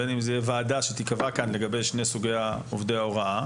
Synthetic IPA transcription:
enimzejevaːdaʃet̪ikavakanle̞ɡabe̞jʃne̞suɡe̞jaovd̪e̞jaoʁaʔa

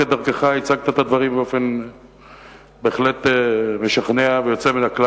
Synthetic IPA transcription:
ed̪aʁkeχait͡saɡ̚t̪at̪ad̪vaʁimbeofe̞n | beːχle̞t̪emeʃaχneavejo̞t͡seminakla

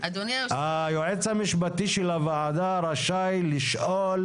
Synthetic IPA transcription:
ad̪onhajoʕet͡shamiʃbat̪iʃelavaʕad̪aɾaʃajliʃʔol

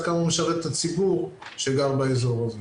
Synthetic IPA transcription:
kamameʃaʁet̪t̪ːat͡sibuʁʃeɡaʁbaezo̞ʁaze

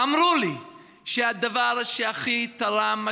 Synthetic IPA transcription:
amʁuli | ʃead̪avaɾʃeaχit̪aɾama

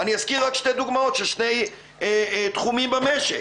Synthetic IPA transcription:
aniazkiʁʁakʃte̞jd̪uɡmao̞t̪ʃeʃne̞j | t̪χumimbameʃe

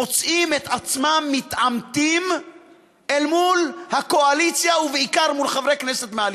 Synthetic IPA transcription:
ot͡sʔimet̪at͡smamːit̪ʕamt̪im | ʔelmulhako̞alit͡sjauveikaʁmulχavʁekneset̪meal

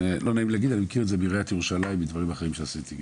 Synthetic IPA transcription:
elʔo̞naimleaɡid̪animekiʁetzebiʁeat̪jeʁuʃalaimbid̪vaʁimaχeʁimʃeasit̪i

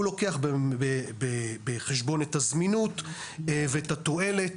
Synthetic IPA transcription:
ulo̞keaχbebebeχeʃbo̞netazminut | vetat̪o̞e̞le̞t

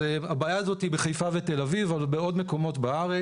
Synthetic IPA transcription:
eabaːjaːzo̞t̪ibeχajfavet̪e̞lavivalbeo̞dme̞ko̞mo̞tbaaʁe

